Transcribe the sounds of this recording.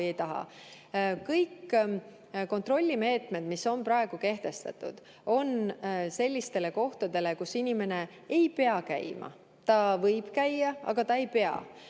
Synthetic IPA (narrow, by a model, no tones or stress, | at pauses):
jejt̪ɑɦɑ̰ | kɤjkː | ko̞nt̪ro̞lʲːime̞ːt̪me̞d̪miso̞npɾɑe̞ɡ̥uke̞ht̪e̞st̪ɑ̰t̪ṵd̪̥ | o̞nse̞lʲːist̪e̞le̞ko̞ht̪ɑd̪̥e̞le̞kusinʲime̞ne̞ | ejpe̞ɑkæ̰jmɑ̰ | t̪ɑvɤjb̥kæjːɑɑ̰ɡ̥ɑt̪ɑe̞jpe̞ɑ̰